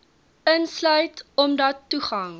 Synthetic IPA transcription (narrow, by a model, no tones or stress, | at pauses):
ənslœɥtɔmdɐtːuχɐŋ